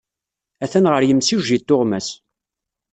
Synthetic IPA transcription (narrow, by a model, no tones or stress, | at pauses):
æθænʁəɾjəmsiʒit̪ːoʁmæs